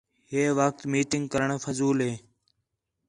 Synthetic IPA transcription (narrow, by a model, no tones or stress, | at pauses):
ɦeːʋək̚t̪miːʈɪŋɡkəɾəɳfəzuːlɦeː